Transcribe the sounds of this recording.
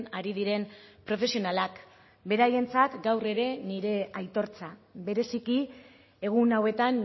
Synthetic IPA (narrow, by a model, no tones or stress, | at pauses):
aɾiðiɾe̞npɾo̞fe̞sio̞nalak | be̞ɾaje̞nt͡sat̪ɡawre̞ɾe̞niɾe̞ajt̪o̞ɾt͡sabe̞ɾe̞siki | e̞ɣ̞unawe̞t̪an